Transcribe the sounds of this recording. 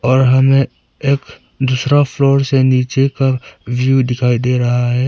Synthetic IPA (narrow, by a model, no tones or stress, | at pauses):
ɔːɾɦəmẽ | eːk | d̪uːsɾapʰloːɾseniːt͡ʃekaʋjud̪ɪkʰaːid̪eːɾɐɦaɦɛː